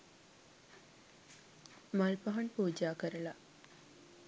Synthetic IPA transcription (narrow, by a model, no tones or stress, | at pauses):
malpɐɦɐɳpuːd͡ʑaːkɐɾɐɭɐ